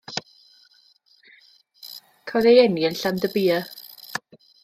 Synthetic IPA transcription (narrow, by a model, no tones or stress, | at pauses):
kʰɔðejɛniənɬandəbiːə